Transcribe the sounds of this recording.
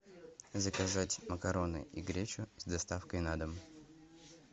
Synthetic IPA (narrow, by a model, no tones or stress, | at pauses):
zəkɐzatʲməkɐɾo̞nɨ̰ʔiɡɾʲet͡ɕʊzd̪ɐst̪afkəjnad̪əm